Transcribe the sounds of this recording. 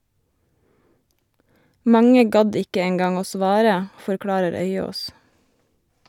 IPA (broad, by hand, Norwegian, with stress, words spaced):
ˈmɑŋə ˈɡɑd ˈɪkə ˈeːŋɡɑŋ ˈoː ˈsʋɑːɾə fɔɾˈkɽɑːɾəɾ ˈœʏoːs